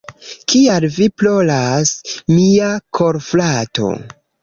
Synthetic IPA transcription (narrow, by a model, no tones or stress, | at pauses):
kʰialviplolasmiakʰoɾflato̞̰